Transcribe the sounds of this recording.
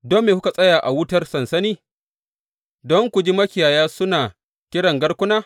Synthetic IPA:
do˦mːeː˨kʊ˦ka˨sʼɐ˦jaː˨ʔa˨wʊ˦tɐ˦rsɐ˨nsɐ˦niː˦ | dɔ˦ŋkʷu˨d͡ʒi˦mɐ˦kʲɪ˨jaː˨jaː˦sʊ˦naː˨ | kʲɪ˦ɽɐ˨ŋɡɐ˦ɽkʷʊ˦naː˦

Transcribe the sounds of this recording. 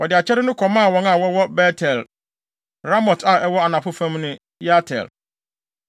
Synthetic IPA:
wɔ˨dɪ˨a˨t͡ɕʰɛ˦ɾɪ˦nʊ̃˦kʰɔ˨mã˦˨wɔ̃˨˦na˨wɔ˦wɔ˦bɛ˦tʰɛ˨l | ɾa˦mɔ˨tʰa˨ɛ˦wɔ˦a˨nã˨pʊ˦fã˦mnʊ̃˦ | ja˦tʰɛ̰˨l

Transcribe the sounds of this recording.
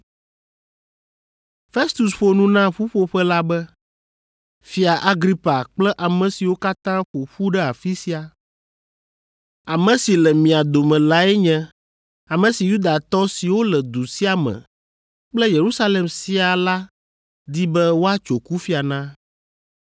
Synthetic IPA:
fe˦st̪u˨sɸo˨nũ˦nã˦ɸu˦ɸo˦ɸɛ˦la˦bɛ˦ | fi˦a˨ʔa˦ɡɾi˦pa˨k͡plɛ˦ʔa˨mɛ̃˨si˨wo˦ka˦t̪ã˦ɸo˨ɸu˦ɖɛ˦a˨fi˦si˦a˨ | a˨mɛ̃˨si˨lɛ˨mĩ˨a˨d̪o˨mɛ̃˨la˦ɛ˦ɲɛ̃˦ | a˨mɛ̃˨si˨ju˦d̪a˨t̪ɔ˦si˨wo˦lɛ˨d̪u˨si˦a˨mɛ̰̃˨ | k͡plɛ˦je˨ɾu˦sa˦le˨msi˦a˨la˦ | d̪i˦bɛ˦wo˦a˦t͡ʃo˨ku˦fi˦a˨nã˦

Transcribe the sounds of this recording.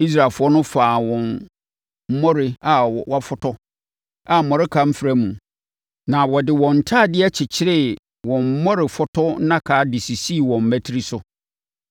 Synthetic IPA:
i˦s̬ɾa˨lfʊ˦ɔ˦nʊ̃˦faː˨wɔ̃˨n | m̩˦mɔ̃˦ɾɪ˨a˨wa˦˨fʊ˦tʰɔ˦ | a˨m̩˨mɔ̃˨ɾɪ˦kʰa˦m̩˦fɾæ˦mũ˨ | nã˨wɔ˨dɪ˨wɔ̃˨n̩˨tʰaː˦˨dɪ˦ɛ˦t͡ɕʰɪ˨t͡ɕʰɪ˦ɾɪ˦ | wɔ̃˨m̩˦mɔ̃˦ɾɪ˨fʊ˦tʰɔ˦nã˦kʰaː˦dɪ˨si˨si˦˨wɔ̃˨m̩˨mæ˦tʰi˦ɾi˦sʊ˦

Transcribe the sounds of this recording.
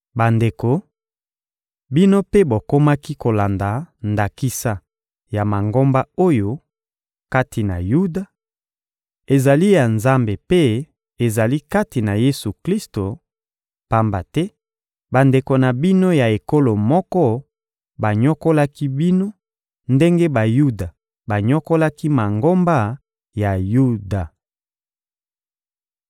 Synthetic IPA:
ba˨nde˨ko˨ | bi˦no˦pe˦bo˨ko˦ma˦ki˦ko˨la˨nda˨nda˨ki˦sa˦ | ja˨ma˨ŋɡo˦mba˦o˦jo˦ | ka˦ti˨na̰˨ju˦da˨ | e˨za˨li˦ja˨nza˦mbe˨pe˦ | e˨za˨li˦ka˦ti˨na˨je˦su˨kli˦sto˨ | pa˨mba̰˨tɛ˦ | ba˨nde˨ko˨na˨bi˦no˦ja˨e˨ko˦lo˨mɔ˦kɔ˦ | ba˨ɲo˦ko˦la˦ki˦bi˦no˦ | nde˦ŋɡe˦ba˨ju˦da˨ | ba˨ɲo˦ko˦la˦ki˦ma˨ŋɡo˦mba˦ | ja˨ju˦da˨

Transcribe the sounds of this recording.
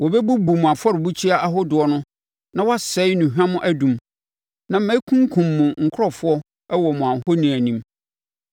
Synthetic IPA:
wɔ˨bɛ˦bu˦bu˨mʊ̃˨a˨fɔ˦ɾɪ˨bu˦t͡ɕʰi˦a˦ʔa˦ɦʊ˦dʊ˨ɔ˦nʊ̃˦ | nã˦wɔ˦a˦sɛ˦jnʊ̃˨ɦᶣã˦mʊ̃˦ʔæ˦dũ˨m | nã˨m̩˦mɛ̃˦i˦kʰũ˦ŋ˦kʰũ˨mːʊ̃˨ŋ̩˨kʰʊ˦ɾɔ˨fʊ˦ɔ˦ | ɛ˦wɔ˨mʊ̃˨ã˨hɔ˦nĩ˨æ˨nĩ˦m

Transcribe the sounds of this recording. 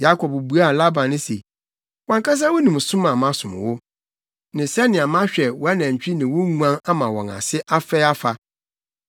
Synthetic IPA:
ja˦kʰɔ˨bbu˨˦a˦˨la˦bã˨n˦nɪ̃˦sḛ˨ | wã˨ŋka˦s̬a˦wo˦nĩ˨m˨sʊ̃˦mã˨mã˦sʊ̃˨m̰˨wʊ˦ | nɪ̃˨sɛ˦nːɪ̃˨a˨mã˦ɕᶣɛ˨wɔ˨a˦nã˨ɲ̩˨t͡ɕᶣi˦nɪ̃˨wʊ˦ŋũ˦ã˦na˦mã˨wɔ̃˨ŋa̰˨sɪ˦ʔa˦fɛ˦a˦fa˨

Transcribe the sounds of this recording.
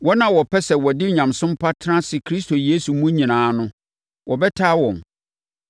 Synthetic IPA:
wɔ˦nã˨wɔ˨pʰɛ˦sɛ˨wɔ˨dɪ˦ɲã˨msʊ̃˦m˦pʰa˦tʰɾã˦sɪ˨kʰɾi˦s̬tʰo˨jeː˦su˨mũ˦ɲĩ˨nãː˨˦nʊ̃˦ | wʔɔ˨bɛ˦tʰaː˦wɔ̃˨m

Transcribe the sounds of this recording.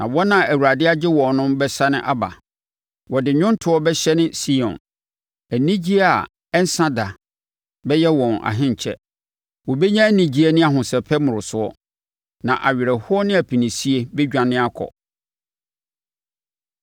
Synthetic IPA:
nã˨wɔ˦nã˨æ˨wu˨ɾa˨dɪ˦a˦d͡ʑɪ˦wɔ̃˨nʊ̃˦mbɛ˦sa˦nɪ̃˦ʔa˦ba̰˨ | wɔ˨dɪ˨ɲʊ̃˦n˦tʰʊ˨˦ɔ˦bɛ˦ɕɛ˦nɪ̃˦si˦ɔ̰̃˨n | æ˨nĩ˦d͡ʑi˦a˨ | ɛ˦n̩˦sã˦da˨ | bɛ˦jɛ˦wɔ̃˨na̰˨ɦɪ̃˦ɲ˨t͡ɕʰɛ̰˦ | wɔ˨be˦ɲã˦nĩ˨d͡ʑi˦e˦nɪ̃˦a˨ɦʊ̃˨sɛ˨pʰɛ˦mʊ̃˨ɾʊ˨sʊ˦ɔ˦ | nã˨ʔa̰˨ɥɪ˨ɾɛ˨hʊ˦ɔ˦nɪ̃˦æ˨pʰi˨nĩ˨si˦e˨bɛ˦d͡ʑᶣã˨nɪ̃˦a˦kʰɔ̰˨

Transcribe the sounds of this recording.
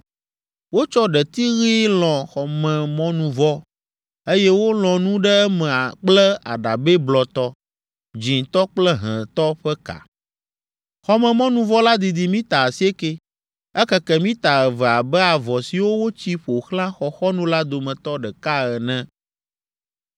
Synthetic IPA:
wo˦t͡ʃɔ˦ɖɛ˨t̪i˦ɣi˦lɔ̃˨xɔ˨mɛ̃˨mɔ̃˦nũ˨vɔ˦ | e˦jɛ˦wo˦l̃ɔ̃˨nũ˦ɖɛ˦ɛ˦mɛ̃˨a˨k͡plɛ˦a̰˨ɖa˨be˦blɔ˨t̪ɔ˦ | d͡ʑi˨ŋt̪ɔ˦k͡plɛ˦ɦɛ̃˨t̪ɔ˦ɸɛ˦ka̰˨ | xɔ˦mɛ̃˨mɔ̃˦nũ˦vɔ˦la˦d̪i˨d̪i˨mĩ˦t̪a˨si˦e˦ke˦ | ɛ˦kɛ˦kɛ˦mĩ˦t̪a˨ɛ˨vɛ˨a˨bɛ˦a˨vɔ˨si˨wo˦wo˦t͡ɕi˦ɸo˨xlã˦xɔ˨xɔ˦nũ˦la˦d̪o˨mɛ̃˨t̪ɔ˦ɖɛ˨ka˦ɛ˨nɛ̃˦

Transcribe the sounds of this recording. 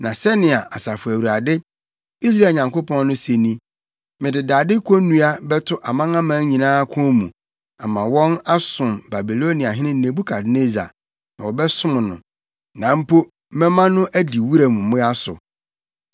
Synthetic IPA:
nã˨sɛ˦nɪ̃˨a˨ʔa˨sa˨fʊ˨æ˨wu˨ɾa˨dɪ˦ | i˦s̬ɾa˦˨ɲã˨ŋko˦pʰɔ̃˦nː˦nʊ̃˦se˨nĩ˦ | mɪ̃˨dɪ˨daː˨dɪ˦kʰo˦nũ˦a˦bɛ˦tʰʊ˦ʔa˨mã˦ŋã˦mã˦ɲĩ˨nãː˦kʰʊ̃˦mũ˨ | a˨mã˨wɔ̃˦na˦sʊ̃˨mba˨bi˨lo˦ni˨a˨ɦɪ̃˦nɪ̃˦n̩˦nẽ˨bu˦kʰa˨dne˦za̰˨ | nã˨wɔ˨bɛ˦sʊ̃˦m˨nʊ̰̃˨ | nã˨m̩˦po˦ | mɛ̃˦mã˦nʊ̃˦ʔæ˦di˨wu˦ɾa˨mũ˨mʊ̃˦a˦sʊ̰˨

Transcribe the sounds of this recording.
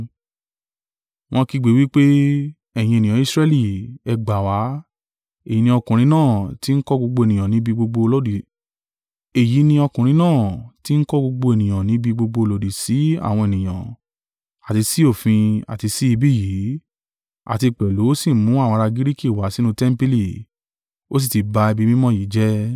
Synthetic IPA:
w̃ɔ̃˧ki˧ɡ͡be˨˦wi˦k͡pe˦ | ɛ˦˨j̃ĩ˧e˨nĩ˨ã˨˦i˦˨sɾɛ˦li˦˨ɛ˧ɡ͡ba˨wa˨˦ | e˨ji˨˦nĩ˧ɔ˧kũ˨ɾ̃ĩ˧˦nãː˦˨ti˦n̩˦kɔ˦ɡ͡bo˧ɡ͡bo˧e˨nĩ˨jã˨nĩ˨˦bi˧ɡ͡bo˧ɡ͡bo˧lɔ˦di˨ | e˨ji˨˦nĩ˧ɔ˧kũ˨ɾ̃ĩ˧˦nãː˦˨ti˦n̩˦kɔ˦ɡ͡bo˧ɡ͡bo˧e˨nĩ˨j̃ã˨nĩ˨˦bi˧ɡ͡bo˧ɡ͡bo˧lo˨di˨si˨˦a̰˦˨w̃ɔ̃˧e˨nĩ˨j̃ã̰˨ | a˨ti˧si˦o˦˨fĩ˧a̰˨ti˧si˦i˧bi˦˨ji˨˦ | a̰˨ti˧k͡pɛ˨lo˨˦o˦si˦˨˦mũ˨˦ã˦˨ɔ̃˧ɾa˧ɡi˦ɾi˦ki˦˨wa˨˦si˦nũ˦tɛ˦m̩˦pi˧li˦˨ | o˦s̬i˦˨ti˨˧˦ba˧i˧bi˦mĩ˦mɔ̃˦ji˨˦d͡ʒɛ˦

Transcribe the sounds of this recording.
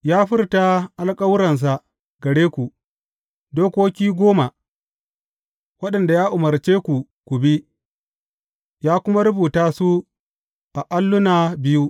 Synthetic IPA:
jaː˦ɸɪ˦rta˦ʔa˨lkʼɐ˦wɾɐ˨ns̬a˨ | ɡɐ˨ɽeː˦kʷu˨ | doː˦kʷoː˦kʲiː˦ɡʷoː˦ma˨ | wɐ˦ɗɐ˨nda˨jaː˦ʔʊ˨mɐ˨ɾt͡ʃeː˦kʷu˨ | kʷu˨bi˦ | jaː˦kʷʊ˦ma˦ɾʊ˦buː˨taː˦su˦ | ʔa˨ʔa˦lːʊ˦naː˨bɪ˦ju˦ʔ

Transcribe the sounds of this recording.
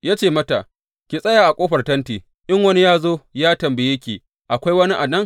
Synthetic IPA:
jaː˦t͡ʃeː˦˨mɐ˦ta˨ | kʲi˨sʼɐ˦jaː˨ʔa˨kʷʼoː˦ɸɐ˨rtɐ˦ntiː˨ | ʔɪ˦ŋwɐ˦ni˦jaː˦zoː˦jaː˦tɐ˨mbe˨jɐ˦kʲeː˨ | ʔa˨kʷa˦jwɐ˦ni˦ʔa˨dɐ˦ŋ

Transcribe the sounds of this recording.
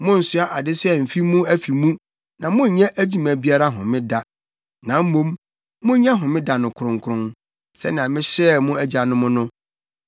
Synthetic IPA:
mʊ̃˦n̩˨sʊ˦a˦ʔa˨dɪ˦sʊ˦ɛ˨m̩˨fi˦mũ˦æ˦fi˨mũ˦ | nã˨mʊ̃˦ɲ̩˨ɲɛ̃˦ʔæ˦d͡ʑi˦mæ̃˨bi˦a˦ɾa˦ɦʊ̃˨mɪ̃˦da˨ | nã˨m̩˦mũ˦m | mʊ̃˦ɲɛ̃˦ɦʊ̃˨mɪ̃˦da˨nʊ̃˨kʰʊ˨ɾʊ̃˨ŋkʰʊ˨ɾʊ̃˦n | sɛ̰˦nɪ̃˨ã˨mɪ̃˦ɕɛ˦˨mʊ̃˦æ˦d͡ʑa˨nʊ̃˦mʊ̃˦nʊ̃˦

